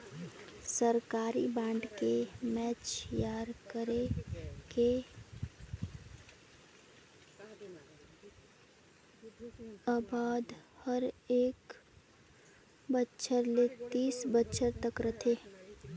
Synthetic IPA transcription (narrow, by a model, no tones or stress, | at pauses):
səɾkaːɾibãːɳɖkemɛːt͡ʃjaːɾkəɾeke | aːbaːd̪həɾeːk | bətːʃʰəɾlet̪iːsbətːʃʰəɾt̪əkɾɐt̪ʰeː